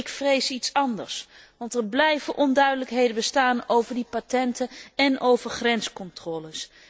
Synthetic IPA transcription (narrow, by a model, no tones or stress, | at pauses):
ɪkfrejsitsɑndə̰ɹsʋɑntəɹblɛjvəʔɔndœɥdələkɦejdənbəstaːnowvəɹdipatɛntəɛnʔowvəɹχrɛnskɔntrɔːləs